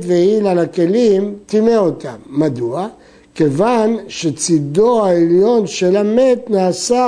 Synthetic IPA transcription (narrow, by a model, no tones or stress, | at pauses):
t̪veilalake̞limt̪imeo̞t̪amːad̪ua | ke̞vanʃet͡sid̪o̞aeljo̞nʃelame̞t̪naːsa